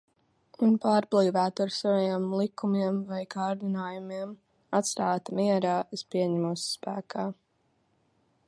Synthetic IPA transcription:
unpaːɾblˠiːvæːt̪aɾsavajiɛmlˠikʰumiɛmvajkʰaːɾd̪inaːjumiɛm | at̪st̪aːt̪miɛɾaːespiɛɲæmuːsspæːkʰaː

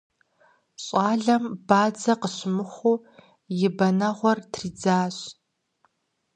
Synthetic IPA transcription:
ɕʼɑːɮɐmb̥aːd͡zɐqəɕmɨχʷuː | jɪbɐnɐʁʷɔrtʰriːd͡zaːɕ

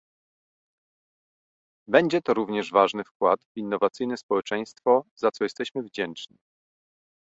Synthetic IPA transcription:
bɛɲd͡ʑɛt̪ɔɾuvɲɛʐvaʐnɘfkwat̪vinːɔvat̪sɘjnɛspɔwɛt͡ʂɛj̃st̪fɔzat̪sɔjɛst̪ɛɕmɘvd͡ʑɛnt͡ʂɲi

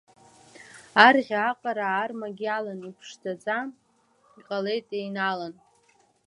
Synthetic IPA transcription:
arʁʲaaqʼaɾaːrmaɡʲialanipʰʂdʰad͡zʼa | iqʼale̞jtʼejnalan

